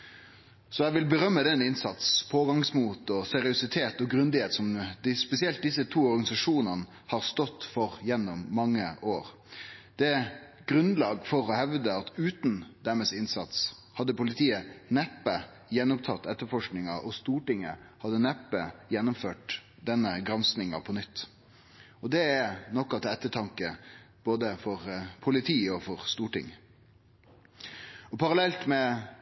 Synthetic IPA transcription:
sɔæʋɪlbəɾœmːəd̪ɛnɪnsɑt̪spʰoːɡɑŋsmuːt̪ɔsɛɾɪʊsɪt̪ʰeːt̪ɔɡɾʉnd̪ɪheːt̪sɔmd̪ɪspɛsɪɛlt̪̚d̪ɪsət̪ʰuːɔɾɡɑnɪsɑʂuːnəʁnə | hɑːʁst̪ɔt̪ːfɔʁjɛnːʊmːɑŋːəʔoːɾ | d̪̥ɛ | ɡ̥ɾʉnlɑːɡfɔɾɔhɛʋd̪əɑt̪ʉːt̪n̩d̪̥æmɛsɪnsɑ̰t̪shɑd̪ːəpʊlɪt̪ʰiːənɛpːə | jɛnːʊmt̪ʰɑt̪ːɛt̪ːəfɔʂknɪŋɑɔst̪uːʈɪŋːə | hɑd̪ənɛpːəjɛnːʊmføːʈ | d̪ɛnːəɡɾɑnsnɪŋɑ̰pʰɔnʏt̪ː | ɔd̪ɛænɔkːɑt̪ɛt̪ːəʈʰɑŋkəb̥oːd̪əfɔʁpʰʊlɪt̪ʰiːɔfɔʁst̪uːʈɪ̰ŋ | ɔpʰɑɾɑlɛlt̪mɛ

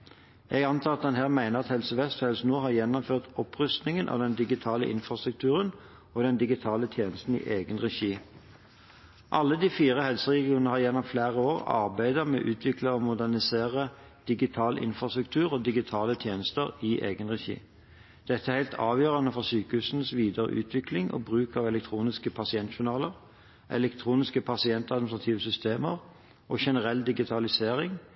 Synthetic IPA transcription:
ʔɛɡɑnt̪ʰɑːɑt̪̚d̪ɛnɦæːʁmæɪnəʁɑt̪hɛlsəʋɛst̪hɛlsnuːɦɑʁjɛnːɔmføːʁt̪ɔpʁʉst̪nɪŋənʔɑ̰ːʋd̪ɛnd̪ɪɡɪt̪ʰɑːləʔɪ̰nfʁɑst̪ʁʉk̚t̪ʰʉːʁən | ɔd̪ɛnd̪ɪɡɪt̪ʰɑːlət̪ʰjeːnəst̪n̩ḭʔeːɡənʁɛʃiː | ʔɑlːəd̪iːfiːʁəhɛlsəʁɛɡɪuːnnəhɑʁjɛnːɔmflæːʁəoːʁɑ̰ʁbæɪd̪əmɛ̰ːʔʉːt̪ʰʋɪkləomʊd̪æʁnɪseːʁə | d̪̥ɪɡɪt̪ʰɑːlʔɪ̰nfʁɑst̪ʉk̚t̪ʰʉːʁoːd̪ɪɡɪt̪ʰɑːlət̪ʰjeːnəst̪əʁɪʔḛːɡənʁɛçḭː | d̪̥ɛt̪ːəæʁhæɪlt̪ʰɑːʋjøːʁɑnəfɔʁsyːkəhʉːsn̩sʋiːd̪əʁə̰ʔʉ̰ːt̪ʰʋɪklɪŋʔo̰ːbʁʉːkɑʋɛlɛk̚t̪ʰɾuːnɪskəpʰɑsɪɛnt̪ʃʊnɑːləʁ | ʔɛ̰lɛkt̪ʰʁuːnɪskəpʰɑsɪɛnt̪ɑd̪mnst̪ʁɑt̪ʰiːʋəsʏst̪eːməʁ | ʔoːʃɛnəʁɛld̪ɪɡɪt̪ʰɑlɪseːʁɪŋ

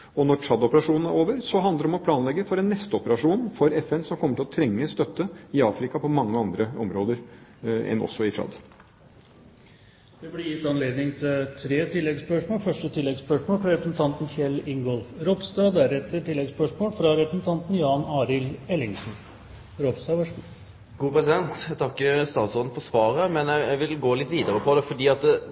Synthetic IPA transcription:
ɔnɔɾt͡ʃɑd̪ɔpəɾɑʂuːnn̩æɾoːʋəɾsɔɦɑnd̪əɾəɔmɔpʰlɑːnlɛɡːəfɔɾɛnːɛst̪əɔpəɾɑʂuːnnfɔɾɛfɛnsɔmkʰɔmːəʈɪlɔt̪ʰɾɛŋːəst̪œt̪ːəɪɑːfɾɪkɑpʰɔmɑŋːəɑnd̪ɾəɔ̰mɾoːd̪əɾɛ̰nʔɔ̰sːɔɪt͡ʃʰɑ̰d̪ | d̪̥ɛblɪjɪt̪ːɑnleːd̪nɪŋt̪ʰɪt̪ʰɾeːt̪ʰɪlːɛɡspœʂmoːlfœʂʈət̪ʰɪlːɛɡspœʂmoːlfɾɑɾɛpɾəsn̩t̪ʰɑnt̪nçɛlːɪŋɡɔlfɾɔpst̪ɑːd̪æɾɛt̪ət̪ɪlːɛɡspœʂmoːlfɾɑɾɛpɾəsn̩t̪ʰɑnt̪n̩jɑːnɑːɾɪlɛlːɪŋʂn̩ | ɾɔpst̪ɑːʋɑʂ | ɡuːpɾɛsɪd̪ɛnt̪t̪ʰɑkːəst̪ɑːt̪sɔln̩fɔsʋɑːɾəmɛnjæɪæɪʋɪlɡoːlɪt̪ːʋiːd̪əɾəpʰɔd̪ɛfɔɖiːɑt̪

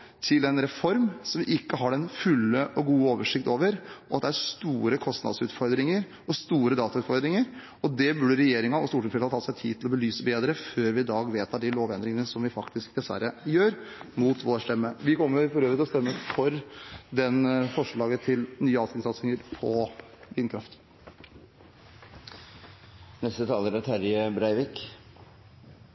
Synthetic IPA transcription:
t̪ʰɪlɛnɾɛfɔɾmsɔmʋɪʔɪkːəɦɑɖɛnfʉlːəʔɔɡuːəoːʋəʂɪkt̪oːʋəɾɔɑt̪d̪ɛæɾst̪uːɾəkʰɔst̪nɑ̰d̪sʉːt̪fɔɾd̪ɾɪŋəɾ | ɔst̪uːɾəd̪ɑːt̪ɑʉːt̪fɔɾd̪ɾɪŋəɾ | ɔd̪ɛbʉɖəɾɛjeːɾɪŋɑnɔst̪uːʈʰɪfɛlhɑt̪ʰɑːsæɪt̪ʰiːd̪t̪ɪlɔbəlyːsəbeːd̪ɾəføːɾʋɪɪd̪ɑːɡʋeːt̪ʰɑd̪ɪloːʋɛnd̪ɾɪŋənəsɔmʋɪfɑkt̪ɪsk̚d̪ɛsʋæ̰ɾːəjøːɾmuːt̪ʰʋoːʂʈ̪ɛmːəʋɪkɔmːəʊɾfɔɾøːʋɾɪt̪ɪlɔst̪ɛmːəfɔɾd̪ɛnfɔʂɭɑːɡət̪ʰɪlnyːəɑːsɪŋsɑt̪sɪŋəɾpʰɔʋɪnkʰɾɑft̪ | nɛst̪ət̪ʰɑːləɾæt̪ʰæɾjəbɾæɪʋɪk

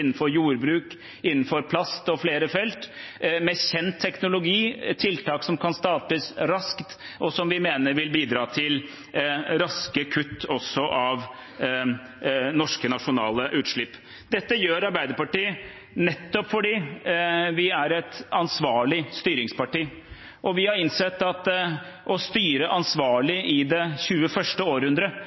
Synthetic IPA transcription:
nːn̩fɔɾjuːɾbɾʉːk | ɪnːn̩fɔɾpʰlɑst̪ɔfleːɾəfɛlt̪mɛçɛnt̪ʰːɛknʊlʊɡiːt̪ʰɪlt̪ʰɑːksɔmkʰɑnst̪ɑːʈəsɾɑskt̪ʔɔsɔmʋɪmeːnəɾʋɪlbiːd̪ɾɑːt̪ʰɪl | ɾɑskəkʰʉt̪ːɔsːɔʔɑʋ | nɔʂkənɑʂʊnɑ̰ːləʔʉːt̪ʂɭɪpː | d̪ɛt̪ːəjøːɾɑɾbæɪd̪əɾpɑʈiːə | nɛt̪ːɔpfɔɖiː | ʋɪæɾɛt̪ɑnsʋɑːɭɪst̪yːɾɪŋspʰɑʈiː | ʔɔʋɪhɑɾɪnsɛt̪ːɑt̪ | ʔɔst̪yːɾəʔɑnsʋɑːɭɪʔɪd̪ɛɕʉːəfœʂʈəoːɾəhʉnd̪ɾə

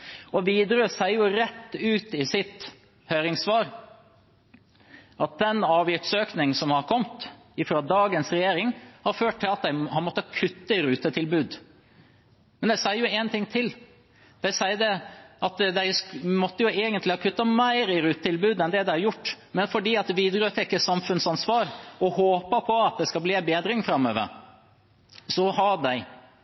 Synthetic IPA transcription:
ɔʋiːd̪ɾøːsæɪəjʊɾɛt̪ːʉːt̪ɪsɪt̪ | hœːɾɪŋsʋɑːɾ | ʔɑt̪̚d̪ɛnɑːʋjɪt̪søːknɪŋ̩sɔmhɑɾkʰɔmt̪ | ɪfɾɑd̪ɑːɡənsɾɛjeːɾɪŋhɑɾføːʈ̚t̪ʰːɪlɑt̪̚d̪æɪhɑɾmɔt̪ːəkʰʉt̪ːəɪɾʉːt̪ət̪ʰɪlbʉːd̪ | mɛnd̪ɛsæɪəjʊɛnt̪ʰɪŋt̪ʰɪl | d̪̥æɪsæɪd̪ɛʔɑt̪d̪æɪsmɔt̪ːəjʊeːɡənt̪lɪhɑkʰʉt̪ːɑmæɪɾɪɾʉːt̪ət̪ʰɪlbʉːd̪ɛnd̪ɛd̪æɪhɑɾjʊʈː | mɛnfɔɖiːɑt̪ʋiːd̪ɾəʉt̪ʰɛkːəsɑmfʉnsɑnsʋɑːɾɔhoːpəpʰɔɑt̪̚d̪ɛskɑbliːæbeːd̪ɾɪŋfɾɑmːø̰ːʋə̰ɾ | sɔhɑɖæɪ

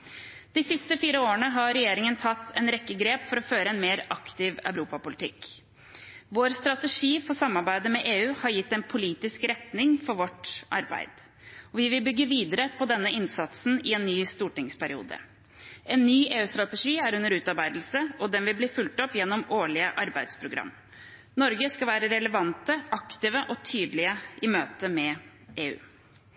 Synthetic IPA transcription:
d̪̥ɪsɪst̪əfiːɾəoːɾəɳəɦɑɾɛjeːɾɪŋənt̪ʰɑt̪ʰːɛnɾɛkːəɡɾeːpfɔɾɔføːɾəɛnmeːɾɑkt̪ɪʋœ̰ʉɾuːpɑpʊlɪt̪ʰɪk | ʋoːɾst̪ɾɑt̪əʂiːfɔsɑmːɑɾbæɪd̪əmɛʔeːʉːhɑɾjɪt̪ːɛnpʰʊliːt̪ɪskɾɛt̪nɪŋfɔɾʋɔʈʔɑɾbæ̰ɪd̪̥ | ɔʋɪʋɪlbʏɡːəʋiːd̪əɾəpʰɔd̪ɛnːəɪnsɑt̪sn̩ɪɛnːyːst̪uːʈɪŋspʰæɾɪṵːd̪ə̰ | ʔɛnːyːʔeːʉːst̪ɾɑt̪ɛʂiːæɾʉnːəɾʉːt̪ɑɾbæɪd̪l̩səɔd̪ɛnʋɪlblɪːfʉlt̪ɔpːjɛnːɔmoːɭɪəʔɑɾbæɪd̪spʰɾʊɡɾɑ̰mː | nɔɾɡəskɑʋæːɾəɾɛləʋɑnt̪əɑkt̪ɪʋəʔɔt̪ʰyːd̪lɪəʔɪmøːt̪əmɛ | eːʉ̰ː

